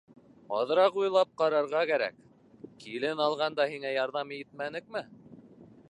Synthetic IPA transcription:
ɑðɤɾɑqujlˠɑp̚qɑɾɑɾʁɑkæɾæ̰k | kilɘnɑlˠʁɑnd̪ɑhiŋæjɑɾðɑmit̪̚mænɘk̚mɘ

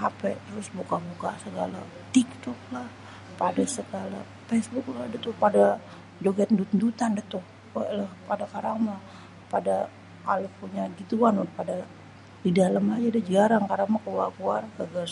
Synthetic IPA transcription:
apɛt̪əɾʊsbukabukasəɡa̰la̰ | t̪ik̚t̪ɔk̚lah | padasəɡala̰ | fɛsbʊkladət̪ʊpada | d͡ʒoɡat̪ndut̪nd̪ut̪andət̪ʊk | alahpadakaɾaŋma | pada | kalopuɲaɡit̪uanʊpada | didalamad͡ʒadad͡ʒaɾaŋkaɾamakəwalkuarkaɡar

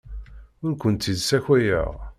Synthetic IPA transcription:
ʊɾkʷənt̪id̪sæçæjæ̰ʁ

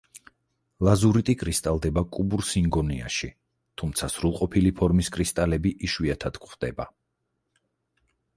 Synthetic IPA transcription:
lˠazuɾit̪ʼikʼɾist̪ʼalˠd̪ɛbakʼubuɾsiŋɡɔnia̰ʃi | t̪ʰumt̪sʰasɾulˠqʼɔpʰilipʰɔɾmiskʼɾist̪ʼalɛbiʔiʃwiat̪ʰad̪̥kʰχd̪ɛba

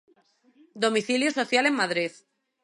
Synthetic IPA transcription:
d̪o̞miθiljosoθjale̞mmaðɾið

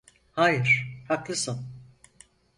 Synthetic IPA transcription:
haːjɯɾ̥haklˠɯsɯn

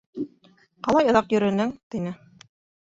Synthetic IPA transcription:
qɑlˠɑjɑ̆ðɑqjɵ̆ɾɘ̆nɘŋt̪inɘ

